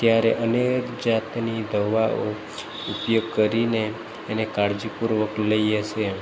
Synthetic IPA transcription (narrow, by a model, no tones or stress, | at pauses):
t̪jaɾḛʔənekd͡ʒat̪nid̪əʋao | upjoɡ̚kəɾineː | nekaɾd͡ʒipuɾʋəkləiət͡ʃʰe